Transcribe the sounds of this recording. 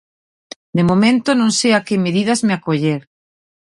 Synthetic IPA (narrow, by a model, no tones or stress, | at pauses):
d̪emomẽnt̪onõŋseakemeðið̞azmɪakoʎeɾ